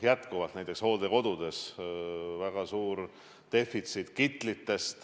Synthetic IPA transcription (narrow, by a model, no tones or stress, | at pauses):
jæt̪ˑkuvɑlt̪næjt̪eksho̞ːd̪e̞ko̞d̪̥ud̪̥e̞s | væɡ̥ɑsuːɾ | t̪e̞fːit̪sit̪kit̪ˑlit̪ːe̞st̪